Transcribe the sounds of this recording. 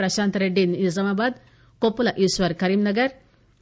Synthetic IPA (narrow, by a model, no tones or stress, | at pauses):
ɾɐʃaːnt̪ɐɾeɖinizɐmaːbaːd̪ | kopːulɐʔisʋɐɾkɐɾimnɐɡɐɾ